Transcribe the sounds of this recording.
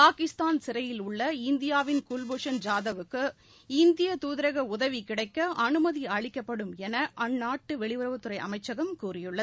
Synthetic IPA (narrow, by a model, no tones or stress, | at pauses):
paːkɪst̪aːnsɪɾɐjɪlʊɭːɐɪnd̪ɪjaːʋɪnkulboːʂɐnd͡ʒaːðɐʋɯkːɯ | ɪnd̪ɪjɐt̪uːðɪɾɐɣɐʊðɐʋikɪɽɐɪkːɐʔɐnɯmɐðiaːɭɪkːɐpːɐɽɯmɛnɐʔɐnːaːʈːɯʋɛɭɪʋɐɾɐʋɯt̪ːɯɾɐɪʔɐ̰mɐɪt͡ʃːɐɣɐmkuːrɪjɯɭːɐ